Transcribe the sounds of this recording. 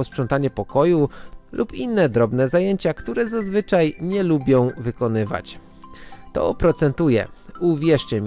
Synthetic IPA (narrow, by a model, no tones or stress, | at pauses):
ɔspʂɔnt̪aɲɛpɔkɔjulʔupinːɛd̪ɾɔbnɛzajeɲt͡ɕakt̪uɾɛzazvɘt͡ʂajɲɛlubʲjɔ̃w̃vɘkɔnɘva̰t͡ɕ | t̪ɔ̰pɾɔt̪sɛnt̪ujɛ̰uvʲjɛʂt͡ʂɛm